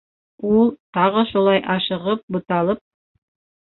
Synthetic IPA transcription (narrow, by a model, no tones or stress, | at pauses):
ulˠt̪ɑʁɤʃulˠɑjʔɑʃɤ̆ʁɤp̚bŭt̪ɑlˠɤp̚